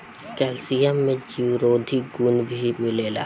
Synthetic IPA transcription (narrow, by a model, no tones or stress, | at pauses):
kɛːlsijamːẽd͡ʒiɾoːd̪ʱiɡunbʱimɪleːla̰ː